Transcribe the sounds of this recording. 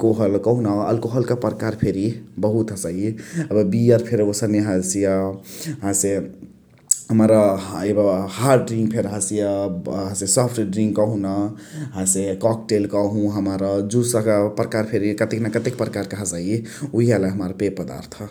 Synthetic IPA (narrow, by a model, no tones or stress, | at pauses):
koɦəlkəɦunaə̰lkoɦəlkəpəɾkaɾpʰeɾibəɦut̪əsaiəbbijəɾpʰeɾosəneɦəsijəɦãse | ɦəmɾaebəhaɾɖɾiŋɡ̚pʰeɾəɦəsijəɦãsesɔpʰʈɖɾĩŋɡkəɦũnaɦãsekɔkʈelkəɦũɦəmaɾəd͡ʒusəkpɾəkaɾpʰeɾikət̪eknakət̪ekpɾəkaɾkəɦəsaiuɦialaɦəmaɾpepəd̪a̰ɾt̪ʰ